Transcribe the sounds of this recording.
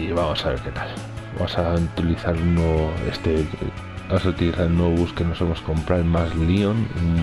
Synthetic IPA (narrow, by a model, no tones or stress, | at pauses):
iβamo̞saβeɾke̞t̪al | ba̰mosaut̪iliθaɾunooḛst̪e | bamosaut̪iliθaɾnwoββuske̞nosemo̞sko̞mpɾamazlion